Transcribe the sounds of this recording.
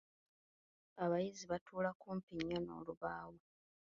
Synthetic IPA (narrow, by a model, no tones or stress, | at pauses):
aβajiziβatʰuːlakuːmpiɲːano̰ːluβaːwo